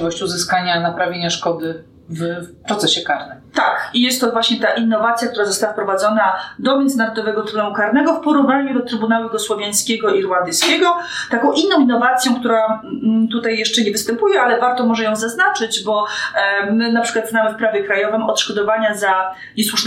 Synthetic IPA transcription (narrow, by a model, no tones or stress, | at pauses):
vɔɕt͡ɕuzɘskaɲanapɾavʲjeɲaʂkɔd̪ɘ | vpɾɔt̪sɛɕɛkaɾnɘmt̪akijɛst̪ːɔvwaɕɲɛt̪aʔinːɔvat̪sʲjakt̪uɾazɔst̪awafpɾɔvad̪zɔnad̪ɔmʲjɛnd̪zɘnaɾɔd̪ɔvɛɡɔt̪ɾunaukaɾnɛɡɔfpɔɾuvnaɲud̪ɔt̪ɾɘbunawujɡɔswɔvʲjaj̃skʲɛɡɔiɾwand̪ɘskʲɛɡɔt̪akɔ̃w̃ʔinːɔ̃w̃inːɔvat̪sʲjɔ̃w̃kt̪uɾat̪ut̪ajːɛʂt͡ʂɛɲɛvɘst̪ɛmpujɛʔalɛvaɾt̪ɔmɔʐɛjɔ̃w̃zaznat͡ʂɘd͡ʑbɔ | mɘnapʂɘkwat̪znamɘfpɾavʲjɛkɾajɔvɘmɔt̪ʂkɔd̪ɔvaɲaza | ɲɛswuʂ